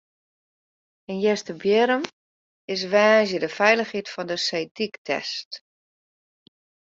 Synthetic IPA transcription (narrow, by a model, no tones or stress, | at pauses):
ənjɛstəbjɪɾəm | ɪs̬ʋaːzjədəfɛjləxhitfɔndəsejtiktʰɛ̰st